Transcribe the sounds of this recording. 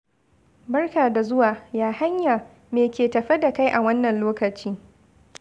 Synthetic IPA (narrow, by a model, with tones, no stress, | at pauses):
bɐ˦rkaː˨da˨zʊ˦waː˨jaː˦ha˦ɲjaː˨ | meː˨kʲeː˨tɐ˨ɸɪ˦da˨ka˦jʔa˨wɐ˦nːɐ˨nloː˦kɐ˨t͡ʃiː˦